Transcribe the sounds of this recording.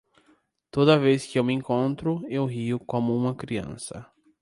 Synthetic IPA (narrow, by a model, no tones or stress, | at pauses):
t̪od̪ɐveskɪewmɪẽŋkõnt̪ɾʊewɦiʊkõmʊũmɐkɾiɐ̰̃sɐ̰